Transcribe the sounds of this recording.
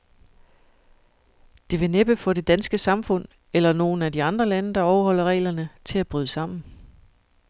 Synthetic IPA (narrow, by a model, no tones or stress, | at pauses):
d̥e̝ʋe̝neb̥əfɒ̽ɾ̥e̝d̥ænsɡ̥əsɑ̈mfɔ̽n̰ | elɐno̝ːn̩ædiɑ̈nd̥ʁɐlænəd̥ɑ̈ɒʊɐhɒ̽l̰ɐʁɛ̰ɪːlɐnət͡sʰe̝læb̥ʁyːð̞ˠsɑ̈m̰n̩